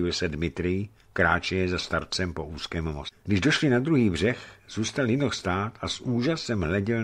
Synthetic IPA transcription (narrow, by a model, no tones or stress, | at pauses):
ɪlsɛdmɪt̪ɾɪjɪ | kɾaːt͡ʃɛjɛzast̪aɾt͡sɛmpo̞ʔuːskɛːmmosɡdɪʒdo̞ʃlɪnad̪ɾuɦiːbr̝ɛxz̥uːst̪aljɪnoxst̪aːt̪asʔuːʒasɛmɦlɛɟɛl